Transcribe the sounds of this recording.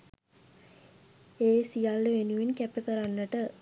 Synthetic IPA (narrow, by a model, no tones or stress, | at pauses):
eːsijalːəʋenuʋinkæpəkəɾanːəʈə